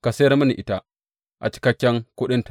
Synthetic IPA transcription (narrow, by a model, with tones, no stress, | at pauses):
ka˨se˦ɾmu˦ni˨ʔi˨ta˨ | ʔa̰˨t͡ʃi̥˨kɐ˦kʲːɛ˦ŋkʊ˦ɗɪ˦nt